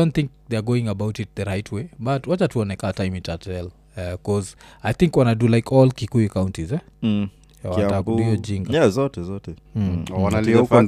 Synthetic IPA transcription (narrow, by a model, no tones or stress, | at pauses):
dõnθɪ̃ŋk̚ðɛaɡoɪ̃ŋəbaʊtɪt̚ðəɹaɪtʰwebatwat͡ʃatuɔnɛkatãɪ̃mitatɛl | ɛkɔzajθɪ̃ŋkwanadulaɪkʰɔlkikujkaʊ̃ntizɛ | watakdiod͡ʒĩŋɡazɔtɛzɔtɛanalif